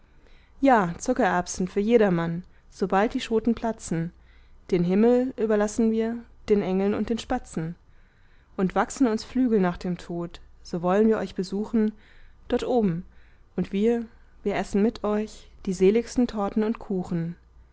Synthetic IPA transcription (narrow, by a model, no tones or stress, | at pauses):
jaːt͡sʊkɐʔɛɐpstn̩fyːɐjeːɾɐman | z̥obalt̚d̥iːʃoːtn̩pʰl̥at͡sn̩ | d̥eːnɦɪml̩ʔyːbɐlasn̩viːɐd̥eːnʔɛŋl̩nʊ̰nt̚d̥eːnʃpat͡sn̩ | ʔʊntv̥aksn̩ʊnsflyːɡl̩naːχd̥eːmtʰoːtz̥oːvɔlənviːɐʔɔ̰ʏçb̥əzuːxn̩d̥ɔɐtʔoːbm̩ʔʊntv̥iːɐ | viːɐʔɛsn̩mɪtʰʔɔʏçd̥iːzeːlɪçstn̩tʰɔɐtn̩ʊntkʰuːxn̩